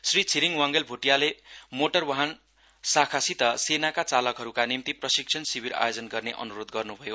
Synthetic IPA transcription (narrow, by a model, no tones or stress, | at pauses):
srit͡sʰiɾiŋwaŋɡelbʱuʈijalemoʈʌrwaɦan | sakʰasit̪ʌsenakat͡salʌkɦʌɾukanimt̪iprʌsik̚t͡sʰʌnsibʱiɾa̰jod͡zʌnɡʌrneʔʌ̰nuɾod̪ɡʌrnubʱʌjo